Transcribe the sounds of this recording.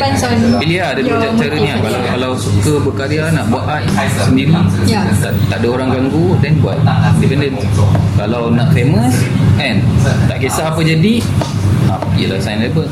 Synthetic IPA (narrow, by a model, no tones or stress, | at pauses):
ant͡ʃanbiliada | d͡ʒaaɾəniakalawkalawsukəbəkaɾianaʔbuat̪̚aʔ | səndiɾit̪at̪aʔdaoɾaŋɡaŋɡudɛnbuat̪̚indipɛndən | kalawnaʔklemə̃sɛ̃nt̪aʔkesaːpəd͡ʒadi | a | iəla̰hsajnlɛbəl